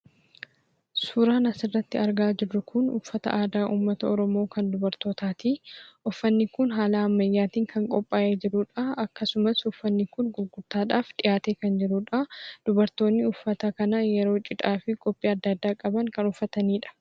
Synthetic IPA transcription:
suːɾaːnɐsɪrːɐt̪ːɪɐɾɡaːd͡ʒɪrːʊkʰʊnʊfːɐt̪ɐ̰ʔaːd̪aːʔuːmːɐt̪ɐɔɾɔmo̞ːkɐnd̪ʊbɐɾt̪o̞ːt̪aːt̪iʔʊfːɐnːɪkʊnɦaːlaːɐmːɐjːaːt̪iːŋkʰɐŋkʼɔpʼːaːʔeːd͡ʒɪɾʊᶑɐɐkːɐsʊmɐsʊfːɐnːɪkʊnɡʊɾɡʊɾt̪aːᶑaːfᶑɪjaːt̪e̞ːkɐnd͡ʒɪɾuᶑɐd̪̥ʊbɐɾt̪o̞ːnːɪʊfːɐt̪ɐkɐnɐjɛɾo̞ːt͡ʃʼɪᶑ̪ʼaːfɪkʼɔpʼːiːɐd̪ːɐːd̪ːaːkʼɐbɐŋkɐnʊfːɐt̪ɐniːᶑɐ̥

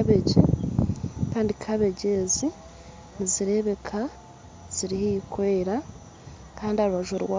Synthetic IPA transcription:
βeɟe | kaːndikʰaβe̞ɟezi | niziɾe̞ːβe̞kʰa | z̥iɾihikweɾa | kaːndiaɾuβaʒoɾwa

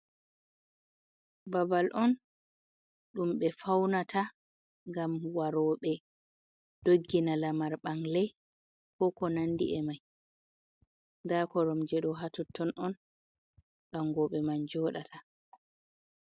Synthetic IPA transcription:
babalʔɔn | ɗumɓɛfawnatʰa | ŋɡamwaɾɔːɓɛ | d̥oɡːinalamaɾɓaŋlɛ | kɔkɔnandḭɛmaj | ndakɔɾɔmd͡ʒɛɗɔɦatɔtːɔnʔɔn | ɓaŋɡɔɓɛmand͡ʒɔːɗatʰa

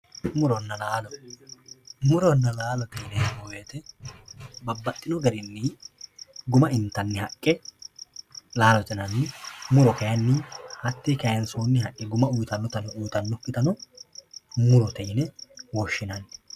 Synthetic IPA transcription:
mʊɾɔnːɐlaːlɔ | mʊɾɔnːɐlaːlɔt̪ɛjnɛbɔweːt̪ɛ | bɐbːɐt̪ʼːɪnɔɡɐɾɪnːɪ | ɡʊmɐʔɪnt̪ːɐnːɪhɐkʼːɛ | laːlɔt̪ʼɛnɐnːɪmʊɾɔkɐjɐnːɪhɐt̪ːikɐjɐnsoːnːɪhɐʔʼːɪɡʊmɐʊjt̪ɐnːɔt̪ɐnɛuːt̪ɐnːɔkʼːɪt̪ɐnɔ | mʊɾɔt̪ɛjnɛwɔʃːɪnɐnːɪ

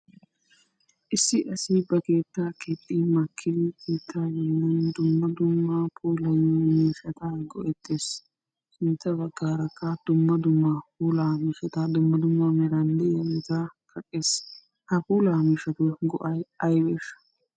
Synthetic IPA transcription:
ʔɪsːɪʔɐsɪbɐke̞ːt̪ːaket̪ʼːɪmakʰːɪd̪ɪkiːt̪ʰːaːjɔmnɛnd̪ʊmːɐd̪ʊmːɐpʰuːlɐjimiːʃɐt̪ɐɡɔʔɛt̪ʰːeːs | sɪnt̪ːɐbɐɡːaːɾɐkːɐd̪̥ʊmːɐd̪ʊmːapuːlaːmiːʃɐt̪ɐd̪ʊmːɐd̪ʊmːamɛɾɐndɛjɐlɪt̪ɐkʰɐkʼːeːs | hɐpuːlaːmiːʃɐt̪ʊɡɔʔɐjɐjbeːʃɐ̥

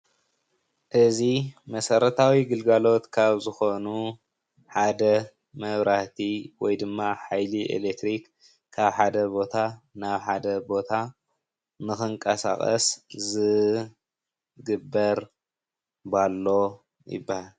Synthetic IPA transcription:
ʔɨzimɐsɐɾɐt̪ʰawiɡɨlɡalo̞t̪kʰaβzɨxo̞nu | ħad̪ɐ | mɐβɾaht̪ʰiwɔjd̪ɨmːaħajliʔḛlekt̪ɾikːʰ | aβħad̪ɐbo̞t̪ʰanaβħad̪ɐbo̞t̪ʰa | nɨxɨŋkʼɐsa̰xʼɐ̰szɨ | ɡɨbːɐɾ | balːo̞ | jɪ̰bːahal

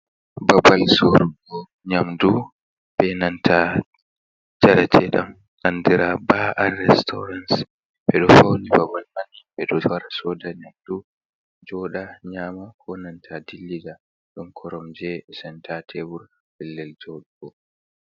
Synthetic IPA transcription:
babalsoɾuɡɔ | ɲamdu | bɛnantʰa | d͡ʒaɾatʰɛɗa̰m | ʔandiɾabaʔanːɛstʰɔ̰ɾans | ɓɛɗɔfawnibabalmaniɓɛɗɔwaɾasɔdaɲamdu | d͡ʒɔɗaɲaːmakʰɔnantʰadilːida | ɗɔnkʰɔɾɔmd͡ʒɛsɛntʰatʰebuɾ | bɛlːɛld͡ʒɔɗuɡɔ

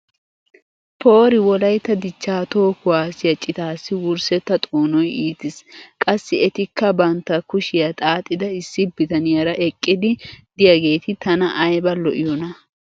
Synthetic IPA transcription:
pʰo̞ːɾɪwɔlɐjt̪ːɐd̪ɪt͡ʃːaːt̪o̞ːkʊwaːsɪjɐt͡ʃʼɪt̪aːsːɪwʊɾsɛt̪ːɐt̪ʼoːnɔjiːt̪ɪskʼɐsːɪɛt̪ɪkːɐbɐnt̪ːɐkʊʃɪjɐt̪ʼaːt̪ʼːɪd̪ɐɪsːɪbɪt̪ɐnɪjɐɾɐʔɛkʼːɪd̪ɪd̪ɪjɐɡe̞ːt̪ɪt̪ɐnɐʔɐjbɐlɔʔɪjɔnɐ

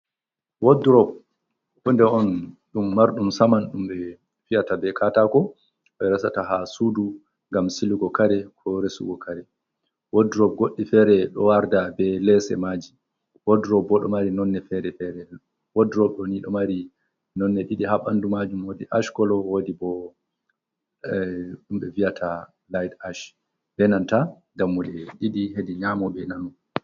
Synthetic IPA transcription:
wodɾɔb̚ | undɛɔn | ɗumːaɾɗumsamanɗumɓɛ | fijatabɛkʰatakɔ | ɓɛɾasataɦasudu | ŋɡamsiluɡɔkaɾɛkʰɔɾesṵɡɔkaɾɛ | woduɾɔb̚ɡoɗːifɛɾɛɗɔ̰waɾdabɛlɛsɛ̰mad͡ʒi | wodɾɔbɔɗɔ̰maɾinɔnːɛfɛɾɛfɛɾɛ | wodɾɔb̚ɗɔniɗɔmaɾi | nɔnːɛɗiɗiɦaɓandumad͡ʒumwodiʔaʃkɔlɔwodibɔ | ɗumɓɛviatʰa | lajdaʃ | bɛnanta | damːulɛɗiɗiɦediɲamɔbɛnanu

